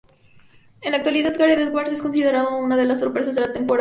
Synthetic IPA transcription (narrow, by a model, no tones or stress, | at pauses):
enak̚t̪waliðaðɡaɾiðeðβaɾsesko̞nsiðeɾaðaunaðe̞lasːo̞ɾpɾe̞sazðelat̪e̞mpoɾa